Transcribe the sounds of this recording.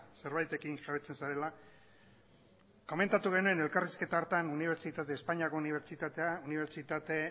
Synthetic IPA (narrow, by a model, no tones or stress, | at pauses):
se̞ɾβajt̪e̞kinʝaβet͡se̞nsaɾe̞la | ko̞me̞nt̪at̪uɣ̞e̞nue̞ne̞lkariske̞t̪aoɾt̪anuniβ̞e̞ɾt͡ʃit̪at̪e̞ːspaɲiako̞niβeɾt͡ʃit̪at̪euniβ̞e̞ɾt͡ʃit̪at̪e̞